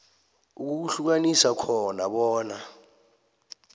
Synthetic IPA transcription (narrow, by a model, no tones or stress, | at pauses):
uk̬uuɬuk̬anisakʰɔnaɓɔːna